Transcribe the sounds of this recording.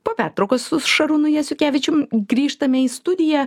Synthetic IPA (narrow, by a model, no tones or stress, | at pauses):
poːpʲæːt̪ɾɐʊkɐssʊʃɐɾʊnʊjɛsʲʊkʲæːʋʲɪt͡ʃʲʊmɡɾʲiːʃt̪ɐmʲɛiːst̪ʊd̪ʲɪjæː